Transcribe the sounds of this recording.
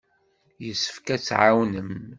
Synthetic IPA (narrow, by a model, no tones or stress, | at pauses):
jəsːə̥fkæt͡sːʕawnəm